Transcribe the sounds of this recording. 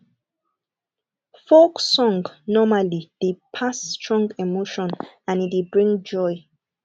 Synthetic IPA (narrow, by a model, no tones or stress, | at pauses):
foksɔ̃ŋɡnɔmalid̥epʰastʰɹɔ̃ŋɡɛmoʃɔ̃n | ãnidebɹĩŋd͡ʒɔj